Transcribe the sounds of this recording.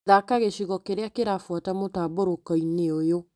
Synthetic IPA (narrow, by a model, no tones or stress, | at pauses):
ðakaɣeʃiɣɔkeɾeakeɾafwatamotaːboɾokɔineojo